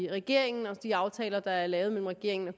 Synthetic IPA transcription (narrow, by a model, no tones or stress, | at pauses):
ʁɛɡ̥e̝ɐ̰e̝ŋn̩ɒ̽d̥iɑ̈ʊt͡sʰɛ̰ːlɐd̥ɑ̈æɐlɛːʊðˠmel̰m̩ʁɛɡ̥e̝ɐ̰eŋn̩æ